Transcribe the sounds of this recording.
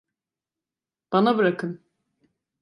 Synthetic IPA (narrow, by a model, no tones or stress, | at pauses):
b̥anabɯɾakʰɯn